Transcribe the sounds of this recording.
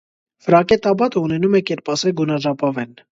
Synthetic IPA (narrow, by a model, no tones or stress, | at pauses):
vəɾɑkɛt̪ɑbɑt̪əunɛnumɛkɛɾpɑsɛɡunɑʒɑpɑvɛn